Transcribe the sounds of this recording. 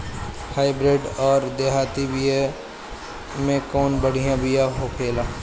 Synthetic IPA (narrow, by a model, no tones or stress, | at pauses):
haːɪbɾeːɖɔːɾd̪eːɦaːt̪ibije | mẽkɔːnbəɽ̤ijãbijãɦokʰeːlaː